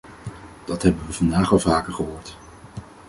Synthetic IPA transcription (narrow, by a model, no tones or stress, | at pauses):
d̥ɑtɦɛbənʋəvɑndaːχɑlˠvaːkəɹχəɦʊːɹt